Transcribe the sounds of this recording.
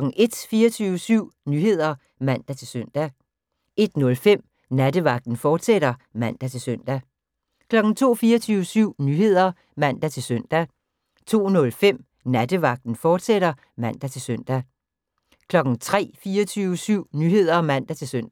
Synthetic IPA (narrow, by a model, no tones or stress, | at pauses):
ɡ̥n̩e̝d̥fiːɐt͡sʰyːʊəsyʊ̰nyːhe̝ð̞̰ˠɐ | mæn̰d̥æt͡sʰe̝lsøn̰d̥æ | e̝d̥nɔ̽lfem̰ | næd̥əʋɑ̈ɡ̥̚d̥n̩fɒːd̥seɾ̥ɐmæn̰d̥æt͡sʰe̝lsøn̰d̥æ | kʰlɒ̽ɡ̥n̩t͡sʰo̝̰ːfiːɐt͡sʰyːʊəsyʊ̰nyhe̝ð̞̰ˠɐ | mæn̰d̥æt͡sʰe̝lsœn̰d̥æ | t͡sʰo̝̰ːnɔ̽lfem̰ | næd̥əʋɑ̈ɡ̥̚d̥n̩fɒːd̥seɾ̥ɐ | mæn̰d̥æt͡sʰe̝lsœn̰d̥æ | kʰlɒ̽ɡ̥n̩t͡sʰʁɛ̰ːfiːɐt͡sʰyːʊəsyʊ̰nyːɦe̝ð̞̰ˠɐmæn̰d̥æt͡sʰe̝lsøn̰d̥